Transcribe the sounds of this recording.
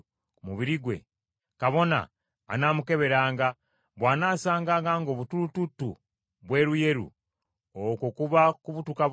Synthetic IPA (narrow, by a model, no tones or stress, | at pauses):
muβiɾiɡwe̞̰ | kaβo̞na̰ː | naːmuke̞βe̞ɾaːŋɡa | βwaːnaːsaːŋɡaːŋɡaːŋɡo̞ːβutulututːṵ | βwe̞ːɾuje̞ɾṵ | okokuβakuβutuka